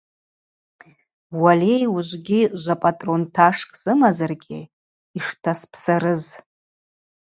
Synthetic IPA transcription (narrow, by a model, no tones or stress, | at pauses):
walejuʒʷɡʲiʒʷapʼatʼro̞ntʰaʂkʼz̥ɨmazarɡʲɪ̰ | iʂtʰaspʰsaɾɨz